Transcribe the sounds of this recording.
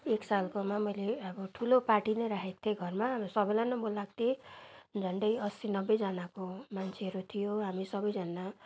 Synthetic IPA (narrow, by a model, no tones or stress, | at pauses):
eksalkomamʌjleʌbʌʈʰulopaʈinejɾakʰek̚t̪ʰeɡʱʌrmabʌsʌbʌjlanʌmbolːaɡ̚t̪ʰed͡zʱʌɳɖʌjʌsinʌbːed͡zʌnakomant͡sʰeɦʌɾut̪ʰijoɦamisʌbʌjd͡zʌna